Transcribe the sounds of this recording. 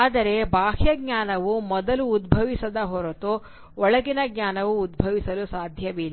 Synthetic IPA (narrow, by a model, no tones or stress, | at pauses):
aːd̪ɐɾe̞baːɦjɐɡ̚ɲaːnɐʋumɔd̪ɐluːd̪̚bʱɐʋisɐd̪ɐɦɔɾot̪o | ɔɭɐɡinɐɡɲaːnɐʋuːd̪̚bʱɐʋisɐlusaːd̪ʱjɐʋilː